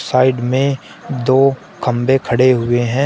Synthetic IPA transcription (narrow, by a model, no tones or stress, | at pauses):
saːɪɖmẽ | d̪oː | kʰɐ̃mbekʰɐɽeɦʊeɦɛ̃ː